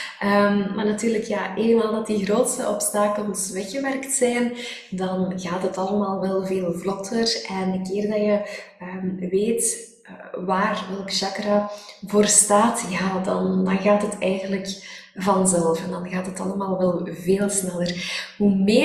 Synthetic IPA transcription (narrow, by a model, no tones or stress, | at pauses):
ʔəːmmarnɑtyːrləkjaːʔeːnənmaːlˠdɑtiɣroːtstəʔɔpstaːkəlˠsʋɛxəʋɛrktsɛjn | dɑnɣaːtɦətɑlˠəmaːlˠʋɛlˠveːlˠvlɔtʰərʔɛnəkɪːrdɑjə | əːmʋeːt | əʋaːrʋɛlˠkəʒ̥ɑkravoːrstaːtjaːdɑndɑnɣaːtɦətɛːɣəndləkvɑnzɛlˠfɛndɑnɣaːtɦətɑ̰lˠəmaːlˠʋɛlˠveːlˠsnɛlərɦumeː